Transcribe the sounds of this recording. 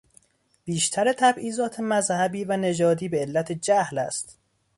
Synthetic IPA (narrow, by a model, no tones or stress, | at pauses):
b̥iːʃt̪ʰæɾet̪ʰæbʔiːzɒːt̪ʰe̞mæzhæbiːvæne̞d͡ʒɒːd̪iːbe̞elːæt̪ʰed͡ʒæhlæ̰st̪